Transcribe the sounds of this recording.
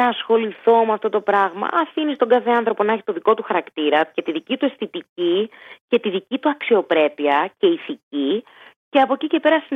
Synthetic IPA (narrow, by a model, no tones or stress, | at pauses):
ɐːsxo̞liθo̞meɐft̪o̞t̪o̞pɾɐɣmɐ̰ʔɐfinist̪o̞ɡɐθe̞ɐnθɾo̞ponɐçi̥t̪o̞ðiko̞t̪uxɐɾɐkt̪iɾɐce̞t̪iðicit̪ue̞st̪it̪icice̞t̪iðicit̪uɐksio̞pɾe̞piɐce̞iθici | ce̞ɐpo̞cice̞pe̞ɾɐsi